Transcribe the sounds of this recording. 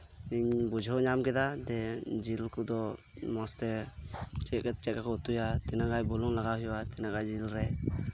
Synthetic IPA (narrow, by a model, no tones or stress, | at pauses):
iɲbud͡ʒʱɔɲamkɛd̪ad̪ɛd͡ʒilkud̪ɔ | mɔst̪ɛ | t͡ʃɛt͡ʃɛt̚kakɔt̪ujat̪ɛnaɡajbɔlɔŋlaɡawɦɛwat̪ɛnaɡajd͡ʒilɾɛ